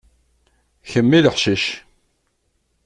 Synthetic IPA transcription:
çəmːiləħʃiʃ

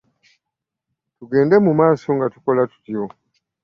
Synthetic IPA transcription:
tuɡe̞ːnde̞mumaːso̞ŋɡatu̥ko̞latu̥tjo̞

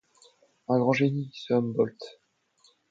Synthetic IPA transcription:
ɛ̃ɡʁɑ̃ʒenii̥səambɔlt̪

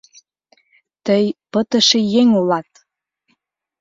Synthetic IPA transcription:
t̪əjpət̪ə̆ʃejeŋulɑt̪̚

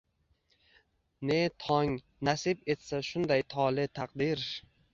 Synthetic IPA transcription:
ne̞t̪ʰɒŋ | nasɪpe̞t̪saʃʊnd̪ajt̪ʰɒlɪt̪ʰaqd̪ɪɾ

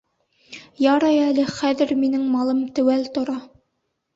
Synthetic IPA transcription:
jɑɾɑjælɘχæðɘɾminɘŋmɑlˠɤmt̪æwælt̪ŏɾɑ

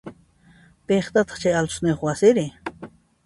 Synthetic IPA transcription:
peχt̪at̪ɑ̥χt͡ʃajalt̪ʊ̥sneχwasɪɾɪ

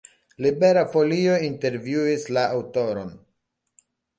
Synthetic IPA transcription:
libe̞ɾafo̞lio̞inte̞ɾvjuislaawto̞ɾo̞̰n

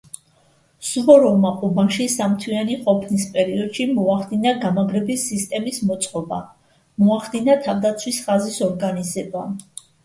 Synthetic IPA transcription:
suvɔɾɔmaqʼubaʃisamt̪ʰwianiqʼɔpʰnispʼɛɾiɔd̪̥ʃimɔaχd̪inaɡamaɡɾɛbisːist̪ʼɛmismɔt̪sʼqʼɔba̰ | mɔaχd̪inat̪ʰavd̪at̪sʰwisχazisɔɾɡanizɛba

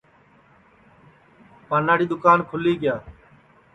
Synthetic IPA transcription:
paːnaːɽiːd̪ʊkaːnkʰʊliːɡɪjaː

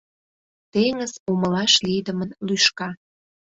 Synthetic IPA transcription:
t̪eŋəzoməlɑʃlijd̪ə̆mənlyʃkɑ

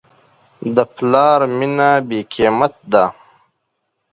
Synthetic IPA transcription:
d̪əplɑːɾminabeːkeːmɐt̪̚d̪a

